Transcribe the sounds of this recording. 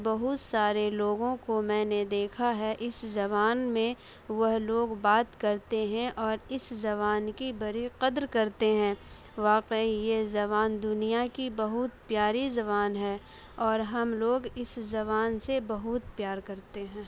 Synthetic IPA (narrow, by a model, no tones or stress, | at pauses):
bɐɦʊt̪saːɾeloːɡõkomɛ̃ːned̪eːkʰaɦɛʔɪszɐβaːnmẽ | ʋɐɦloːɡbaːt̪kɐɾt̪eɦɛ̃ʔɔːɾɪszɐβaːnkibɐɾiqɐd̪ɾkɐɾt̪eɦɛ̃ː | ʋaːqeijezɐβaːnd̪ʊnijakibɐɦʊt̪pjaːɾizɐβaːnɦɛː | ɔːɾɦɐmloːɡɪszɐβaːnsebɐɦʊt̪̚pjaːɾkɐɾt̪eɦɛ̃ː